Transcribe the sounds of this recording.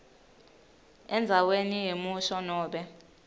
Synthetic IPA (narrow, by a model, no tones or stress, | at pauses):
ɛnd͡zʱawenijemuʃɔnɔːɓɛ